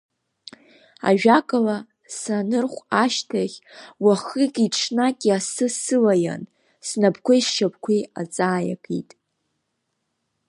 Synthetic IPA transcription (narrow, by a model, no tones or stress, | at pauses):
a̰ʒᶣakʼala | sanɨrχʷaʃtʰaχʲwaχɨɡʲʼiʈ͡ʂʰnaɡʲʼiasɨsɨlaja̰n | snapʰkʷaiʃʃap̚ʰʼkʷʰiat͡sʼaːja̰kʼḭtʼ